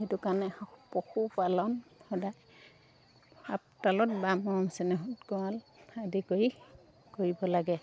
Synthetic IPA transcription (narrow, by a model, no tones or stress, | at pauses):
etukanɛpɔxupalɔnxɔdaj | a̰p̚talɔt̚bamɔɔmsɛnɛɦɔtkɔaladikoi | koɹibɔlaɡɛ